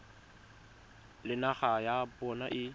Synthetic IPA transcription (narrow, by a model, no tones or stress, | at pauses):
lɪnaχajabɔnaʔɪ